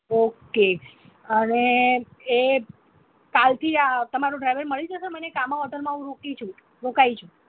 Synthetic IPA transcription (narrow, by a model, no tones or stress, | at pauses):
oke | əne | e | kalt̪ʰiat̪əmaɾũɖɾajʋəɾməɭid͡ʒʰəsəmənekamãʋəd̪ʰʱəɾmãũɾokit͡ʃʰũ | ɾokajt͡ʃʰũ